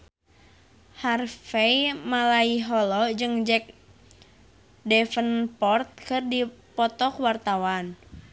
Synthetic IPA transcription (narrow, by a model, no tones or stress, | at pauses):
harfɛjmalaiɦɔlɔd͡ʒɨŋd͡ʒɛk̚ | dɛfənpɔrt̪̚kɨrdipɔt̪ɔkwart̪awan